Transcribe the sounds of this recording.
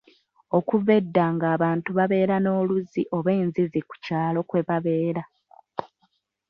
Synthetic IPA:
o̞kuve̞dːaŋɡaːβaːntuβaβe̞ːɾano̞ːluziʔo̞βe̞ːnziziku̥caːlo̞kwe̞βaβe̞ːɾa

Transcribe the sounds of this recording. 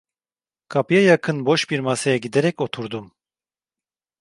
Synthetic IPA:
kʰapjajakʰɨnbɔʃpiɾmasɛjaɡid̪ɛɾɛkɔt̪ʰuɾd̪um

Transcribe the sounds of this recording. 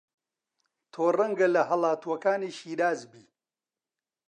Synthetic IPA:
t̪ʰoːrɐŋɡɐlɐɦɐlˠaːt̪uwɐkaːniːʃiːɾaːzbiː

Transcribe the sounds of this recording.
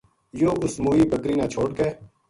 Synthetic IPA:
joːʔʊsmoːiːbəkɾiːnãːt͡ʃʰoːɽ̚keː

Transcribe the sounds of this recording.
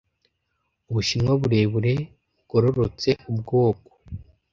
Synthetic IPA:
uβuʃinwaβuɾe̞ːβuɾe̞ | ɡ̥oɾoɾot͡se̞ubɡo̞ːko̥

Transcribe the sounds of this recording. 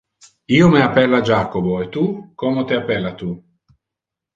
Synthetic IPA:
iːomeapːɛlːad͡ʒaːkoboet̪ukomot̪ɪapːɛlːat̪u

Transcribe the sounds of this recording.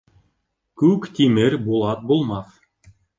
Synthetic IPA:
kʉkt̪ʲimɘɾʲbulˠɑt̪̚bulˠmɑθ

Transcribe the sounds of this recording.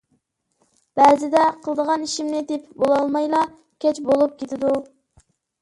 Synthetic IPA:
b̥æɾzɪd̪ɛqʰəlˠd̪əʁɑniʃimnɪd̪ɪpbolˠɑlˠmɑjlˠɑ | kʲʰɛt͡ʃbolˠup̚kʲet̪ʰɪd̪u

